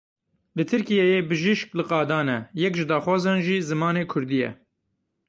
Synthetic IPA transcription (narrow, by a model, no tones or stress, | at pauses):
lɨt̪ʰɨɾkijɛjeːbɨʒiʃklɨqɑːd̪ɑːnɛjɛkʒɨd̪ɑːxwɑːzɑːnʒiːzɨmɑːneːkʰʊɾd̪ijɛ̰